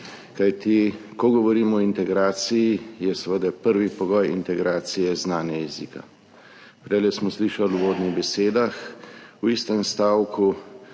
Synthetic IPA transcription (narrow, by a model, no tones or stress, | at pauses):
kajt̪ikɔɡɔʋɔɾiːmɔint̪ɛɡɾaːt̪sijijɛsɛʋəd̪ɛpəɾʋipɔɡɔjḭnt̪ɛɡɾaːt̪sijɛznaːnɛjɛziːka̰ | pɾɛlɛsmɔsliːʃaluʋoːd̪niɣbɛseːd̪axwist̪ɛmst̪aːwku